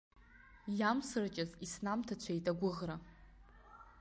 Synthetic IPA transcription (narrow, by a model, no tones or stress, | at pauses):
jamsɨrat͡ʃʲʼazisnamtʰat͡ɕʷʰajtʼaɡʷʊʁra